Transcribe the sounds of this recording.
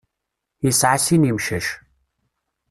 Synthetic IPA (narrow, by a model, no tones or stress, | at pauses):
isʕasinimʃɐʃ